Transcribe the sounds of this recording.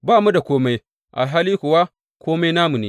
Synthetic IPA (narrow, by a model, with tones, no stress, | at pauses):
baː˦˨mu˦da˨kʷoː˦ma˦j | ʔa̰˨lɦaː˦liː˦kʷʊ˨wa˦ | kʷʰoː˦ma˦jnaː˦mu˨neː˦